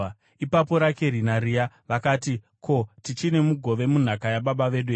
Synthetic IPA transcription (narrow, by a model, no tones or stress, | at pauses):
ipapo̞ɾakerinaɾija | ʋakaːti | ko̞tit͡ʃine̞muɡʱo̞ʋe̞mun̤akajaɓaɓaʋe̞ɗue